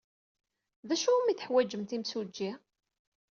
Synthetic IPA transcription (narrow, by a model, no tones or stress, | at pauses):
ðæʃumiθə̥ħwæd͡ʒːəmt̪imsud͡ʒːi